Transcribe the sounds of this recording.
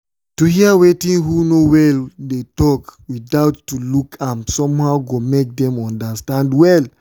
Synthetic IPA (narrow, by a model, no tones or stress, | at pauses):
tuhiawetĩnɦunowɛldetɔkwidawtːulukʰãmsɔ̃mhawɡomek̚dɛ̃mɔ̃ndastãndwɛl